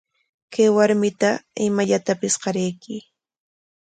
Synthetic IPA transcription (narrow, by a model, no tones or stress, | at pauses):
kajwaɾmɪt̪aɪmaʎat̪apɪsqɑɾejkɪ